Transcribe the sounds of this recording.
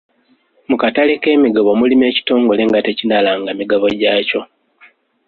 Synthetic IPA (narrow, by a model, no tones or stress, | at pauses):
mukataleke̞ːmiɡaβo̞mulime̞ːci̥to̞ːŋɡo̞le̞ŋɡate̞cinalaːŋɡamiɡaβo̞ɟaːco̞